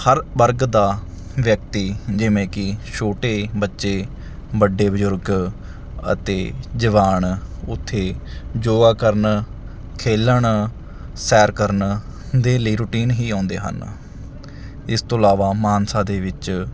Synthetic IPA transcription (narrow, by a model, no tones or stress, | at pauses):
həɾbəɾɡd̪aː | ʋjək̚t̪iːd͡ʒɪʋẽːkɪʃoːʈeːbətːʃeː | bəɖeːbəzʊɾɡ | ə̰t̪eːd͡ʒəʋaːɳʊt̪ʰːeːd͡ʒoːɡaːkəɾn | kʰeːləɳ | sɛːɾkəɾn | d̪eːləiːɾuːʈiːnɦiːãːnd̪ḛːɦə̰n | ɪst̪õːəlaːʋaːmaːnsãːd̪eːʋɪt͡ʃ